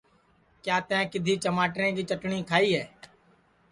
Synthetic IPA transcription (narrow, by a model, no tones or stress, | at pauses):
kjaːt̪ãːkɪd̪ʱiːt͡ʃəmaːʈɾẽːd͡ʒiːt͡ʃəʈɳĩːkʰaːiːɦɛː